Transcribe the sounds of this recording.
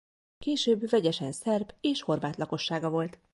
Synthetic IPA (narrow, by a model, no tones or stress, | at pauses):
keːʃøːbvɛɟɛʃɛnsɛrbeːʃho̞rvaːt̪lɒko̞ʃːaːɡɒvo̞lt̪